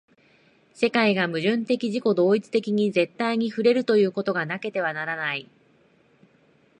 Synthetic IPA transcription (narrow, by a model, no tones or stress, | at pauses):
se̞kaiɡamɯ̟ʑɨ̃nt̪e̞kʲiʑiko̞d̪o̞ːit͡sɨ̥t̪e̞kʲiɲ̟ize̞t̪ːaiɲ̟iɸɯ̟ɾe̞ɾɯ̟t̪o̞jɯ̟ːko̞t̪o̞ɡanake̞t̪e̞β̞anaɾanai